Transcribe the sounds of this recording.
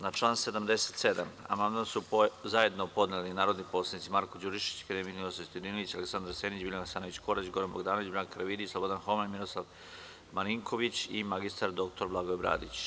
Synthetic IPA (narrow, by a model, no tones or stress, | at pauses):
nat͡ʃlˠaːnse̞d̪amd̪ese̥t̪sed̪ama̰mand̪mansuzaje̞d̪nopo̞d̪nelinaːɾod̪niposlad̪nit̪imaɾkod͡ʑuɾiʃi̥t͡ɕe̥kad̪emik̪milˠosast̪od̪inoʋit͡ɕaleksand̪aɾseːnit͡ɕbiliasaːnoit͡ɕko̞ɾat͡ɕɡo̞ɾanboɡd̪aːnoʋit͡ɕbɾankɾʋid̪islˠobo̞d̪anxo̞manmilˠo̞slˠaʋ | maniŋkʰo̞ʋit͡ɕimaɡist̪aɾd̪o̞k̚t̪o̞ɾblˠaɡoebɾa̰ːd̪it͡ɕ